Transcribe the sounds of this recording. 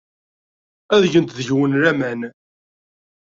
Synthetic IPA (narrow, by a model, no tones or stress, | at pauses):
æðʝənt̪ðəʝwənɾæmæn